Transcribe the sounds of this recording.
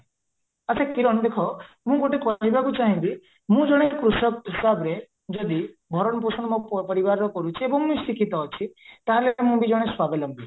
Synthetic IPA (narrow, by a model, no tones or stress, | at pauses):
asʰekiɾɔɳ̃d̪ekʰɔ | mũɡoʈekɔɦibʱaɡut͡ʃaɦĩb̪i | mũd͡ʒɔɽ̃ekɾuʃɔk̚ɦisabɾe | d͡ʒɔd̪ibʱɔɾɔɳɔpusɔɳ̃mɔ̃pəɾibaɾɔkɔɾut͡ʃʰiebɔŋmũsikit̪ɔt͡ʃʰit̪aɦalemũbid͡ʒɔɽ̃eswabelɔmbʱi